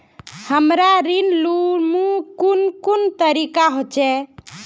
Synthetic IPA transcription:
həmɾaɾinlumukunkunt̪əɾikaɦot͡ʃɛ

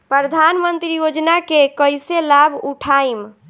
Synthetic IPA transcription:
pɾəɾəd̪ʱanmənt̪ɾijod͡ʒnakekəjselabʱuʈʰaim

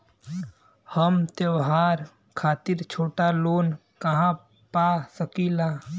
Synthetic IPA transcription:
həmt̪ewɦaːɾ | kʰaːt̪ɪɾt͡ʃʰoːʈaloːn | kɐɦã | paːsəkilaː

